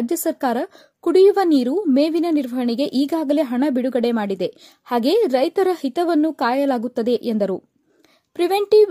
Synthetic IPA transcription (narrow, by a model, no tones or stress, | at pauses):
d͡ʒjɐsɐɾkaːɾɐ | kuɽijuʋɐniːɾumeːʋinɐniɾʋɐɦɐɳiɡe̞ʔiːɡaːɡɐle̞ɦɐɳɐbiɽuɡɐɽe̞maːɽid̪e̞ | haːɡe̞ːɾɐjt̪ɐɾɐhit̪ɐʋɐnːukaːjɐlaːɡut̪ːɐd̪e̞ʔend̪ɐɾu | pɾiʋeɳʈiʋ